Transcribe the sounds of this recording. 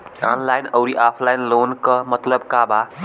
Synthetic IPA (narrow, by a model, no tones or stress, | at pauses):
anlajnəʊɾiʔapʰlajnloːnkəmət̪ləbkaba